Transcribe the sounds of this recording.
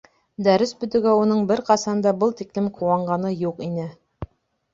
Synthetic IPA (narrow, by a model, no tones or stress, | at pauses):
d̪æɾɘsbɵ̆t̪ɘ̆ɡæunɤɴbɘɾqɑsɑnd̪ɑbɤlˠt̪iklɘmqʰuwɑɴɢɑnɤjuqinɘ